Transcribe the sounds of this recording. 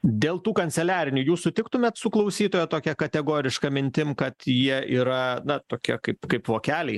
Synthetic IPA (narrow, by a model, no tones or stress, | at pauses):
d̪ʲeːlˠt̪uːkɐnʲtt͡s̪ʲɛlʲæːɾʲɪnʲuːjuːsʊt̪ʲɪkt̪ʊmʲɛt̪sʊklˠɐʊsʲiːt̪oːjɛt̪oːkʲɛkɐt̪ʲɛɡoːɾʲɪʃkɐmʲɪnʲt̪ʲɪmkɐt̪jiɛʔiːɾɐnɐt̪oːkʲiɛkɐɪpkɐɪpʋoːkʲæːlʲɛɪ